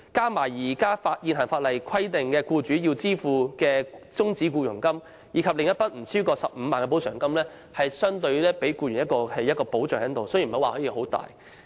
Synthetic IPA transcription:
kaː˥maː˨˩jjiː˨˩kaː˥faː˧t̚jiː˨nɦɐ˨˩nfaː˧t̚lɐ˨˩jkʰɐ˥jt̪ɪ˨˩ŋkɛː˧kuː˧t͡ʃyː˨˥jiː˧wt͡siː˥fuː˨˧kɛː˧t͡sʊ˥ŋt͡siː˨˥kuː˧jʊ˨˩ŋkɐ˥m | jiː˨˧kʰɐ˨p̚lɪ˨˧ŋjɐ˥t̚pɐ˥t̚m̩˨˩sʰyː˥kɔː˧sɐ˨p̚m̩ː˨˧maː˨nkɛː˧po˨˥sʰœː˨˩ŋkɐ˥mlɛː˥ | hɐ˨jsœː˥ŋt̪ɵ˧ɥlɛː˥pe˨˥jkuː˧ɥyː˨˩njɐ˥t̚kɔː˧hɐ˨jːɐ˥tkɔː˧po˨˥wt͡sœː˨ŋht̪o˨wsɵ˥jm̩˨˩hwaː˨hɔː˨˥jiː˧ɦo˨˥wt̪a̰ː˨j

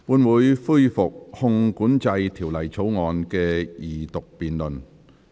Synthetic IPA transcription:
puː˨˥nwuː˨˧jfuː˥jfʊ˨k̚hʊ˧ŋkuː˨˥nt͡sɐ˧jt̪ʰiː˨˩wlɐ˨˩jt͡sʰo˨˥wŋɔː˨nkɛː˧jiː˨˩t̪ʊ˨k̚piː˨nlɵ˨˩n

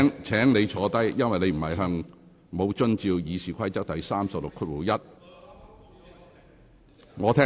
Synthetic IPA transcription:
ŋt͡sʰɛː˨˥ŋne˨˧jt͡sʰɔː˨˧˥t̪ɐ˥jjɐ˥nwɐ˨jne˧jm̩˨˩hɐ˨jɦœː˧ŋ | mo˨˧wt͡ʃɵ˥nt͡siː˧wjiː˨˧siː˨˩kʷʰɐ˥jt͡sɐ˥k̚t̪ɐ˨jsaː˥msɐ˨p̚lʊ˨kʰːʊ˥t̚wu˨˥wjɐ˥t̚ | ŋɔː˨˧t̪ʰɛː˥

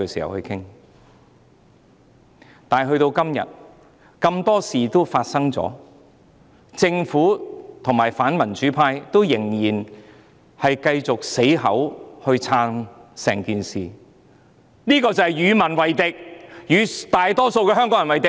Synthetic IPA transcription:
ɛ˧siː˨˩hɐ̰˨˩whɵ˧jkʰɪ˥ŋ | t̪aː˨˩nɦɵ˧ɥt̪o˧wkɐ˥mjɐ̰˨t̚ | kɐ˧mt̪ɔː˥siː˨t̪o˥wfaː˧t̚sɐ˥ŋt͡sɔ̰ː˨˥ | t͡sɪ˧ŋfuː˨˥t̪ʰʊ˨˩ŋmaː˨˩jfaː˨˥nmɐ˨˩nt͡ʃyː˨˥pʰaː˧jt̪o˥wjɪ˨˩ŋjiː˨˩n | hɐ˨jkɐ˧jt͡sʊ˨k̚se˨˥jɦɐ˨˥whɵ˧ɥt͡sʰaː˧nsɛː˨˩ŋkiː˨nsiː˨ | niː˥kɔː˧t͡sɐ˨˧hɐ˨jjyː˨˧mɐ˨˩nwɐ˨jt̪ɪ˨k̚jyː˨˧t̪aː˨jt̪ɔː˥so˧wkɛ˧ɦœː˥ŋkɔː˨˥jɐ˨˩wɐ˨˩jt̪ɪ˨

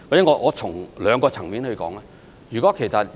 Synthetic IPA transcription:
a˨˩t͡ɕɛː˨˥ŋɔː˧ŋɔː˨˧t͡ʃʰʊ˨˩ŋlœː˨˧ŋkɔː˧t͡sʰɐ˨˩ŋmiː˨˥nhɵ˧ɥkɔ̰ː˨˥ŋlɛ˧ | jyː˨kɔː˨˦˥kʰe˨˩jsɐ˧t̚

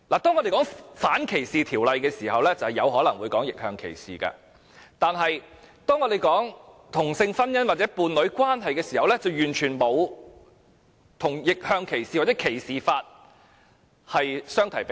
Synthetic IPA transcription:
laː˨˩t̪ɔː˥ŋɔ˧de˨jkɔː˨˥ŋfaː˨˥nkʰe˨˩jsiː˨t̪ʰiː˨˩wlɐ˨jkɛː˧siː˨˩hɐ˨wlɛ˥t͡sɐ˨whɐ˨jɐ˨˧whɔː˨˥lɐ˨˩ŋwuː˨˧jkɔː˨˥ŋjɪ˨k̚hœː˧ŋkʰḛ˨˩jsḭː˨kɐ̰ː˧ | t̪aː˨nɦɐ˨jt̪ɔː˥ŋɔː˨˧d̪e˨jkɔː˨˥ŋt̪ʰʊ˨˩ŋsɪ˧ŋfɐ˥njɐ˥nwaː˨t̚t͡sɛː˨˥puː˨˧nlɵ˨˥ɥkwaː˥nɦɐ˨jkɛː˧siː˨˩hɐ˨wlɛ˥t͡sɐ˨wjyː˨˩nt͡ʃʰyː˨˩nmo˨˧w | t̪ʰʊ˨˩ŋjɪ˨k̚hœː˧ŋkʰe˨˩jsiː˨wa˨t͡sːɛ˨˥kʰe˨˩jsiː˨faː˧t̚ | hɐ˨jsœː˥ŋt̪ʰɐ˨˩jpe˧

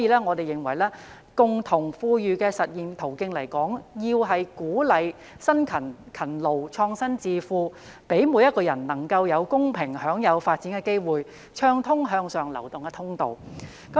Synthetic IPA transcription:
jiː˧lɛː˥ŋɔː˨˧t̪e˨jɪ˨˩ŋwɐ˨˩jlɛː˥ | kʊ˨ŋt̪ʰʊ˨˩ŋfuː˧jyː˨˧kɛː˧sɐ˨t̚jiː˨˩nt̪ʰo˨˩wkɪ˧ŋlɐ˨˩jkɔː˨˥ŋjiː˧wɦɐ˨jkuː˨˥lɐ˨j | sɐ˥nkʰɐ˨˩nkʰɐ˨˩nlo˨wt͡ʃʰɔː˧ŋsɐ˥nt͡siː˧fuː˧ | pe˨˥jmu˨˧jɐ˥t̚kɔː˧jɐ˨˩nnɐ˨˩ŋkɐ˧wjɐ˨˧wkʊ˥ŋpʰɪ˨˩ŋhœː˨˥ŋjɐ˨˧wfaː˧t̚t͡siː˨˥nkɛː˧ke˥jwuː˨j | t͡ʃʰœː˥ŋt̪ʰʊ˥ŋɦœː˧ŋsœː˨ŋlɐ˨˩wt̪ʊ˨ŋkɛ˧t̪ʰʊ˥ŋt̪o˨w | kɐ˨˦

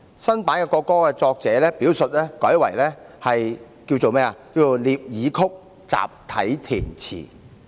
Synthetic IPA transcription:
sɐ˥npaː˨˥nkɛ˧kɔː˧kːɔː˥kɛ˧t͡sɔː˧k̚t͡sɛː˨˦lɛː˥piː˨˥wsɵ˨t̚lɛː˥kɔ̰ː˨˥jwɐ˨˩jlɛː˥hɐ˨j | ki˧wt͡so˨wmɛː˥ɐ˨kiː˧wt͡so˨˩wliː˨p̚jiː˨˧kʰʊ˥k̚ | t͡sa̰ː˨p̚t̪ʰɐ˨˥jt̪ʰiː˨˩nt͡sʰḭː˨˩

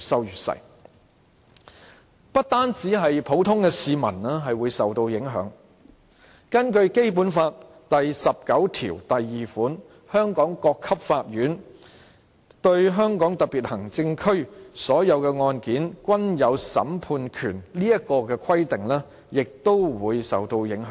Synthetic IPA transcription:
sɐ˨˧wjyː˨˩t̚sɐ̰˨˩j | pɐ˥t̚t̪aː˥nt͡si˨˥ɦɐ˨jpʰo˨˥wt̪ʰʊ˥ŋkɛː˧siː˨mɐ̰˨˩nɛː˥ɦɐ˨jwuː˨˧jsɐ˨wt̪o˧wjɪ˨˥ŋɦœ̰ː˨˥ŋ | kɐ˥nkɵ˧ɥke˥jpuː˨˥nfaː˧t̚ | t̪ɐ˨jsɐ˨p̚kɐ˨˥wt̪ʰḭː˨˩wt̪ɐ˨jːiː˨fuː˨˥n | hœː˥ŋkɔː˨˥ŋkɔː˧kʰːɐ˥p̚faː˧t̚ɥyː˨˥n | t̪ɵ˧ɥɦœː˥ŋkɔː˨˥ŋt̪ɐ˨k̚piː˨t̚hɐ˨˩ŋt͡sɪ˧ŋkʰɵ˥ɥsɔː˨˥jɐ˨˧wkɛː˧ŋɔː˧nkiː˨˥nkʷɐ˥njɐ˨˧wsɐ̰˨˥mpʰuː˧nkʰyː˨˩nliː˥jɐ˥kːɔː˧kɛː˧kʰɐ˥jt̪ɪ˨ŋlɛː˥ | jɪ˨k̚t̪o˥wwuː˨˧jsɐ̰˨wt̪o˧wjɪ˨˥ŋɦœː˨˥

